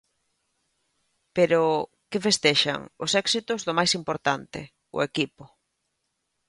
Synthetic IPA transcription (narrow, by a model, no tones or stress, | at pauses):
peɾʊ | kɪfest̪eʃa̰ŋʊsɛksit̪ʊzðʊmajsimpoɾt̪ant̪ɪ̰ | ʊ̰ekipʊ